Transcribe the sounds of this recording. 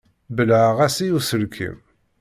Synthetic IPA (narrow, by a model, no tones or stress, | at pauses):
bəlʕaʁæsijusəlkʰḭm